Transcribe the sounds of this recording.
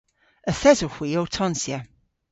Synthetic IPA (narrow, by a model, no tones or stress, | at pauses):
əθɛzohwiːowtʰɔnsjə